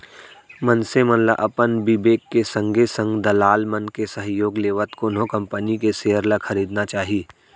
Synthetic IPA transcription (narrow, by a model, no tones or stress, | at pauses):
mənsemənla̰ʔɐpənbɪbeːkːesɐ̃ŋɡesə̃ŋɡd̪ɐlaːlmənkesəɦjoːɡleːʋət̪konokɐ̃mpənikeseːəɾlakʰɐɾiːd̪nat͡ʃaːɦiː